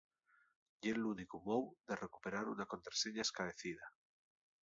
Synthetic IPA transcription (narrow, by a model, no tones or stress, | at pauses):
jelunikumowðereku̥pe̞ɾaɾunako̞nt̪ɾḁseɲaeskaβeθið̞a